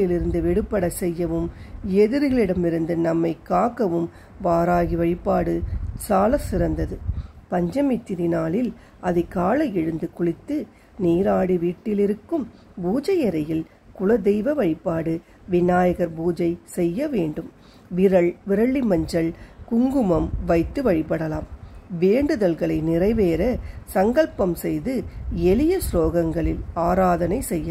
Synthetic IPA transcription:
ɪlɪɾɯnd̪ɯʋɛɽɯpːɐɽɐsɛjːɐʋɯmɛðɪɾɯɣɐɭɪɽɐmɪɾɯnd̪ɯnɐmːɐɪkːaːkːɐʋɯm | ʋaːɾaːɣiʋɐɻɪpːaːɽɯsaːlɐsɪɾɐnd̪ɐðɯpɐɲd͡ʒɐmɪt̪ːɪɾɪnaːlɪl | ʔɐðɐkaːlɐɛɻɯnd̪ɯkʊɭɪt̪ːɯ | niːɾaːɽiʋiːʈːɪlɪɾɯkːɯm | buːd͡ʒɐjɐɾɐjɪl | kʊlɐd̪ɛjʋɐʋɐɻɪpːaːɽɯ | ʋɪnːaːjɐɣɐɾbuːd͡ʒɐɪsɛjːɐʋeːɳɖɯm | ʋɪɾɐɭʋɪɾɐɭːimɐɲd͡ʒɐɭkʊŋɡɯmɐmʋɐɪt̪ːɯʋɐɻɪpːɐɽɐlaːmʋeːɳɖɯðɐlɣɐɭɐɪnɪrɐɪʋeːɾɐsɐŋɡɐɭpɐmsɛjðɯɛlɪjɐsloːɣɐŋɡɐɭɪlaːɾaːðɐnɐɪsɛjːɐ

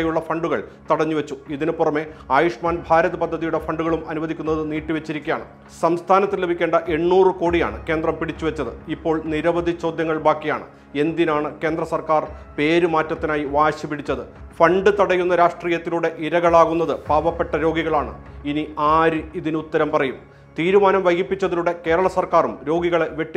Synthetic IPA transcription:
juɭːɐfɐɳɖuɣɐɭt̪ɐɽɐɲːuʋet͡ɕːuiðinɨpːurɐme̞aːjuʂmaːnbʱaːɾɐðɐpɐd̪ʱːɐðijuɽe̞fɐɳɖuɣɐɭumɐnuʋɐd̪ʱikʲːunːɐðɨniːʈːiʋet͡ɕːiɾikʲːija̰ːɳɨ̰ | sɐmst̪ʰaːnɐt̪ːile̞bʱikʲːe̞ːɳɖɐʔe̞ɳːuːrɨko̞ːɽija̰ːɳɨ̰ke̞ːnd̪rɐmpiɽit͡ɕːuʋet͡ɕːɐðɨ̰ipːo̞ːɭniɾɐʋɐd̪ʱit͡ɕo̞ːd̪jɐŋːɐɭbaːkːija̰ːɳɨ̰ | e̞nd̪inaːɳɨke̞ːnd̪rɐsɐrkaːrpe̞ːɾumaːtːɐt̪ːinaːjiʋaːɕɐpiɽit͡ɕːɐðɨ | fɐɳɖɨt̪ɐɽɐjːunːɐɾaːʂʈriːjɐt̪ːiluɽe̞ʔiɾɐɣɐɭaːɣunːɐðɨpaːʋɐpːe̞ʈːɐɾo̞ːɡiɣɐɭaːɳɨ̰ | iniaːɾɨiðinut̪ːɐɾɐmpɐrɐjum | t̪iːɾumaːnɐmʋɐjɡipːit͡ɕːɐðiluɽe̞ke̞ːɾɐɭɐsɐrkaːrumɾo̞ːɡiɣɐɭe̞ʋjeʈːi

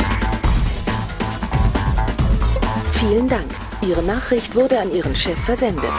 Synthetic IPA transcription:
fiːləndaŋk | ʔiːʁ̞ənaːχʁ̥ɪçtv̥ʊɐdəaniːʁəmʃɛfɛɐzɛndə̰t

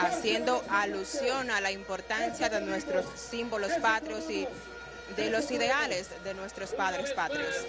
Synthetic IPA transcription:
asje̞nd̪o̞ʔalusjo̞nalaimpo̞ɾt̪ansjaðenwe̞st̪ɾosːimbo̞lo̞spat̪ɾosi | ðelo̞siðe̞ale̞sðe̞nwe̞st̪ɾo̞spaðɾe̞spat̪ɾjos

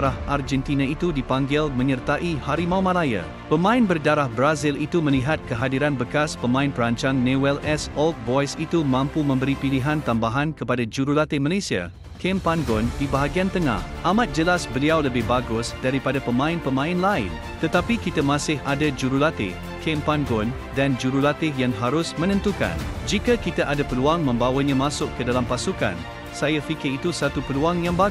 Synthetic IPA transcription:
ɾahʔard͡ʒɛnt̪inait̪udipaŋɡɪlmə̃ɲərt̪aʔihaɾimawmãlajə̰ | pəmãɪnbərdaɾahbɾazɪlit̪uməliɦat̪̚kəɦadiɾanbəkaspəmãɪ̃npəɾaɲt͡ʃaŋnewɛlɛsɔlt̪̚bɔjsit̪umãmpumə̃mbəɾipiliɦãnt̪ambaɦãnkəpadad͡ʒuɾulat̪emalesia̰ | kɛmpanɡɔndibaɦaɡiant̪əŋa̰hʔamãt̪̚d͡ʒəlasbəliawləbɪhbaɡʊsdaɾipadapəmãɪ̃npəmãɪ̃nlaɪ̰n | t̪ət̪apikit̪amãsɪɦadad͡ʒuɾulat̪ɪ̰ | kʰɛmpanɡɔn | dand͡ʒuɾulat̪ɪjaŋɦaɾʊsmə̃nə̃nt̪uka̰nd͡ʒikakit̪aʔadapəluaŋmə̃mbawəɲãmãsʊkkːədalampasuka̰n | sajafikɪrit̪usat̪upəluaŋjãŋba

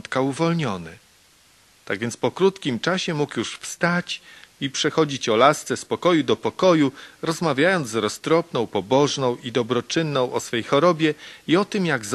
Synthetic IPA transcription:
t̪kauvɔlɲɔnɘ | t̪aɡvʲjɛnt̪spɔkɾut̪kʲimt͡ʂaɕɛmukjuʂfst̪at͡ɕipʂɛxɔd͡ʑit͡ɕɔlast̪sɛspɔkɔjud̪ɔpɔkɔjuɾɔzmavʲjajɔnd̪zzɾɔst̪ɾɔpnɔ̃w̃pɔbɔʐnɔ̃w̃id̪ɔbɾɔt͡ʂɘnːɔ̃w̃ʔɔsfɛjxɔɾɔbʲjɛiɔt̪ɘmjaɡz

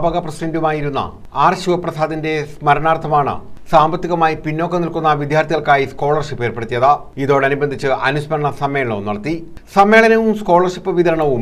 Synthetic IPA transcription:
bɐɣɐprɐsidɐndumaːjiɾunːɐ̰ | aːrɕuʋɐprɐsaːðinde̞smɐɾɐɳaːrt̪ʰɐmaːɳɨ̰saːmbɐt̪ːiɣɐmaːjipinːo̞ːkːɐnilkunːɐʋid̪ʱjaːrt̪iɣɐɭkaːjisko̞ːɭɐrɕipːeːrpe̞ɽut̪ːijɐða | iðo̞ːɽeɐnubɐnd̪ʱit͡ɕːɨʔɐnuɕpɐɾɐɳɐsɐmːe̞ːɐɭo̰ːnɐɽɐt̪ːi | sɐmːe̞ːɭɐnɐʋumsko̞ːɭɐrɕipːɨʋiðɐɾɐɳɐʋum

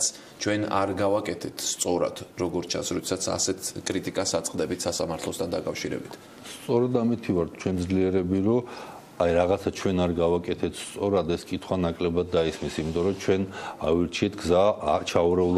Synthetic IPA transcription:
s | t͡ʃʰwɛna̰ɾɡavakʼɛt̪ʰɛt̪ʰst̪sʼɔɾa̰d̪̥ɾɔɡɔɾt͡ʃʰa̰nsɾɔd̪ɛsat̪sʰa̰sɛt̪ʰkʼɾit̪ʼikʼasat̪sʼqʼd̪ɛbit̪ʰsasamaɾt̪ʰlˠɔst̪ʰand̪akʼafʃiɾɛ̰bit̪ʰ | st̪sʼɔɾɛd̪amit̪ʰivaɾt̪̚ʰt͡ʃʰwɛnd̪zliɛɾɛbiɾɔ | ajɾaʁat̪sʰat͡ʃʰwɛnaɾɡavakʼɛt̪ʰɛt̪ʰst̪sʼɔɾad̪ɛskʼit̪ʰχwanakʼlɛbad̪̚ːaismisimit̪ʼɔɾɔt͡ʃʰwɛnaviɾt͡ʃʰiɛt̪ʰɡzat͡ʃʰauɾɛulˠ

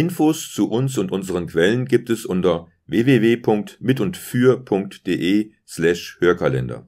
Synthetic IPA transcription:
ʔɪnfoːst͡suʔʊnsʊntʔʊnzəʁənkʰv̥ɛlənɡiːp̚tɛsʔʊntɐ | veːveːveːpʰʊŋk̚tmɪtʊntfyːɐpʰʊŋk̚td̥eːʔeː | slɛʃhøːɐkʰalɛ̰ndɐ̰

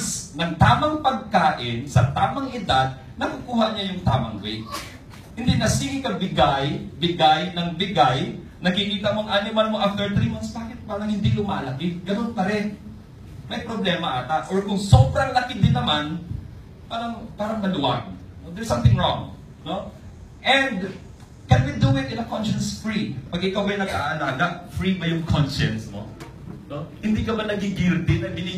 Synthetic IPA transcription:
snɐŋt̪aːmɐŋpɐɡ̚kaːʔɪnsɐt̪aːmɐŋʔɪd̪ad̪̚ | nɐkukuːhɐɲajʊŋt̪aːmɐ̰ŋbɛ | hɪnd̪inɐsiːhɪkɐbɪɡajbɪɡajnɐŋbɪɡaj | nɐɡkɪkiːt̪ɐmoɐŋʔanɪmalmoʔaft̪ɛɹt̪ɾimɐnsbaːkɪt̪̚paːɾɐŋhɪnd̪ilʊma̰ːlɐkɪɡɐnonpɐɾɛ | mɐjpɾoblɛːmɐʔat̪at̪ʔoɹkʊŋsobɾɐŋlɐkɪd̪ɪnːɐman | paːɾɐŋpaːɾɐŋmɐlʊʔaɡ̚ | nod̪ɛɹsːɐ̃mt̪ɪŋɹõ̰ŋ | no | ʔɛnd̪ | kɛnwid̪uɪt̪ʔɪnɐkonʃɐnsfɹipɐɡʔɪkawɡɐjnɐɡa̰ʔɐlaːɡɐʔ̚fɹibɐjʊŋkʰonʃɛnsno̰ | nohɪnd̪ikɐmɐnːɐɡɪɡɪɾd̪ɪnɐbɪnɪ

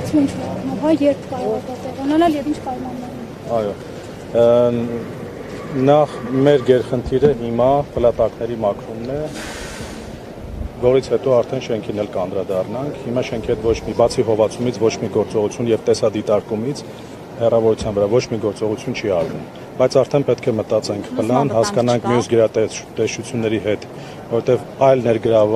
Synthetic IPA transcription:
int͡ʃʰɛɑɾnumɦɑjɛɾpʰkɑɾɔʁɑvɑt̪ɛʁɑnɑnɑljɛvint͡ʃʰpɑjmɑnːɑnu | ɑjɔ | nɑχmɛɾɡɛɾχənt̪ʰiɾəɦimɑpəlɑt̪ɑknɛɾimɑkʰɾumnɛ | vɔɾit͡sʰhɛt̪ɔɑɾt̪ʰɛnʃɛŋkʰinɛlkəɑnd̪ɾɑd̪ɑrnɑŋkʰhimɑʃɛŋkʰihɛt̪vɔt͡ʃʰmibɑt͡sʰiɦɔvɑt͡sʰumit͡sʰvɔt͡ʃʰmiɡɔɾt͡sɔʁut͡sʰjunjɛvt̪ɛsɑd̪it̪ɑɾkumit͡sʰ | hɛrɑvɔɾut͡sʰjɑnvəɾɑvɔt͡ʃʰmiɡɔɾt͡sɔʁut͡sʰjunt͡ʃʰiɑɾvṵm | bɑjt͡sʰɑɾt̪ʰɛnpɛt̪kʰɛmət̪ɑt͡sɛŋkʰpʰəlɑnhɑskɑnɑŋkʰmijusɡəɾɑt̪ɛt̪ɛʃt͡ʃut͡sʰjunːɛɾiɦɛt̪ | vɔɾɔt̪ɛvɑjlnɛɾɡəɾɑv

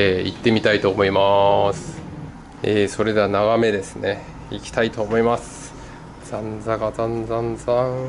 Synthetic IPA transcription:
eit̪ːe̞mʲit̪ait̪o̞ːmo̞imasɨ̥ | eːso̞ɾe̞d̪e̞anaɡame̞d̪e̞sɨ̥ne̞ | ikʲi̥t̪ait̪o̞ːmo̞imasɨ̥ | z̥ãnd͡zaɡazãnd͡zãnd͡zãɴ

